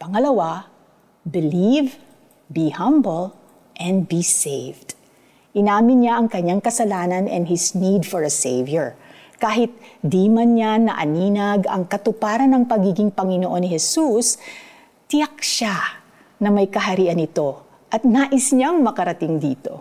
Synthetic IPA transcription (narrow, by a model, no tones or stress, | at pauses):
pɐŋɐlɐwa | bɪliv | bihɐ̃mbəl | ʔɛ̃nd̪̚bisejvd̪̥ | ʔɪnaːmɪnɲaʔɐŋkɐɲːaŋkɐsɐlaːnɐnɛ̰̃nhɪsnid̪fɔɹɐsejvjɛɹ | kaːɦɪt̪̚d̪iːmɐnɲanɐ̰ʔɐ̰niːnɐɡɐ̰ŋkɐt̪ʊpaːɾɐnɐŋpɐɡiːɡɪŋpɐŋɪnoʔo̞nɪhɛsus | t̪ɪɐk̚ʃa | nɐmɐjkɐɦɐɾiːʔɐnɪt̪o̞ | ʔɐt̪̚naːʔɪsɲaŋmɐkɐɾɐt̪ɪŋd̪iːt̪o̞̰